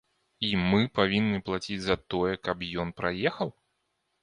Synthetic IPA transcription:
imɨpavʲinːɨplˠat͡sʲid͡zʲzɐt̪ɔjɛkɐpjɔnpɾajɛxɐw

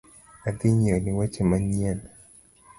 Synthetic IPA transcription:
at̪iɲeniwat͡ʃemaɲɛn

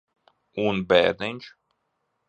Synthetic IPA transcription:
unbɛːd̪ɛnʲt͡ʃ

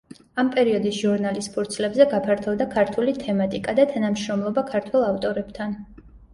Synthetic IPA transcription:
ampʼɛɾiɔd̪isʒuɾnalispʰuɾt̪sʰlɛbzɛɡapʰaɾt̪ʰɔvd̪akʰaɾt̪ʰulit̪ʰɛmat̪ʼikʼad̪at̪ʰanamʃɾɔmlˠɔbakʰaɾt̪ʰwɛlˠaft̪ʼɔɾɛb̥t̪ʰan

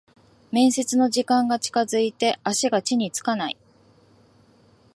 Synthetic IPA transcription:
mẽ̞ɰ̃se̞t͡sɨno̞ʑikãŋɡat͡ɕi̥kazɨit̪e̞ʔaɕiɡat͡ɕiɲ̟it͡sɨ̥kanai

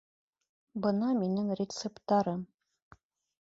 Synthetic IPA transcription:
bɤnɑminɘŋrʲɪt̪sept̪ɑɾɤm

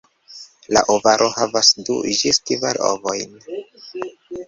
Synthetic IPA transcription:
la̰ʔovaɾʔo̞havasdud͡ʒistivaɾo̰vo̞jn

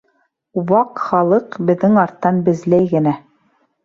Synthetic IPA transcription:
wɑqχɑlˠɤqbɘ̆ðːɘŋɑɾt̪ːɑnbɘ̆zlæjɡɘ̆næ

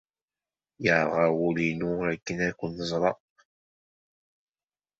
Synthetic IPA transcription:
jəʕɾˤʁawulinuækːənækʷːənːəzˤɾˤɑʔ

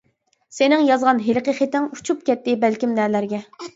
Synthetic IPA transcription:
senɪŋjɑzʁɑnɦelqəχet̪ɪŋu̥t͡ʃʰup̚kʲɛt̪ːɪbɛlkʲimnælæɾɡʲɛ

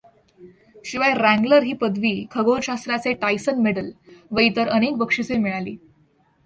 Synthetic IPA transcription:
ɕiʋajɾæ̃ŋɡləɾɦiːpəd̪ʱʋiːkʰəɡoɾɕast̪ɾjat͡seʈajsənmeɽəlʋəjt̪əɾənekʋəkʂət͡semiɭalḭː

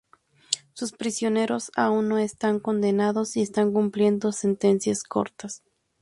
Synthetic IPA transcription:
suspɾisjo̞ne̞ɾo̞saunːo̞est̪aŋko̞nd̪e̞naðo̞sie̞st̪aŋkumplje̞nd̪o̞se̞nt̪e̞nsjasko̞̰ɾt̪as

